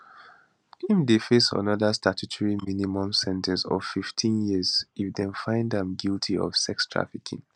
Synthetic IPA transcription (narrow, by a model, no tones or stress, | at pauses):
kĩmdefesə̰nɔðəstatʰutʰɔɹiminimɔ̃msɛ̃ntʰɛ̃nsɔ̰v̥fiftʰĩnjiəzifdɛ̃nfãɪ̃ndãmɡiltʰiɔ̰v̥sɛkstʰɹa̰fikʰḭ̃ŋ